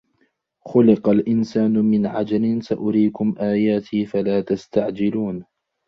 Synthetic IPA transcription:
xʊlɪqalʔɪnsaːnʊmɪnʕad͡ʒalɪnsaʔʊɾiːkʊmʔaːjaːt̪ʰiːfalaːt̪ast̪aʕd͡ʒɪluːn

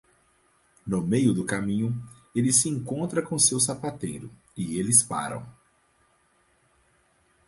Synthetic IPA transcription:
nʊmejʊd̪ʊkamĩɲʊelɪsɪẽŋkõnt̪ɾɐkõsews̬apat̪ejɾʊ̰ | ɪelɪspa̰ɾɐ̰̃w̃

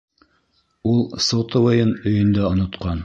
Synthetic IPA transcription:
ulˠsŏwt̪ŏvɤjɤnɵ̆jɵ̆nd̪æŏnŏt̪qɑn

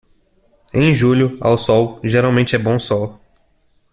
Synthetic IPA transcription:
ẽj̃ʒuʎʊa̰wsɔwʒeɾawmẽnt͡ʃɪɛbõw̃sɔw

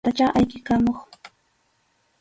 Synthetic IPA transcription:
t̪at͡ʃaʔajkɪkamoχ

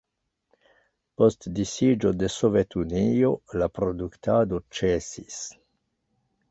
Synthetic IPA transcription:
post̪d̪isid͡ʒod̪esovet̪uniolapɾod̪ukt̪ad̪ot͡ʃesis

